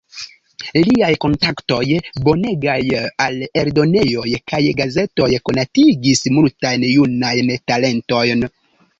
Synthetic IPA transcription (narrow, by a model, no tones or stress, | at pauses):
liajko̞ntakto̞jbo̞ne̞ɡajale̞ɾdo̞ne̞jo̞jkajɡaze̞to̞jko̞natiɡismultajnjunajntale̞nto̞jn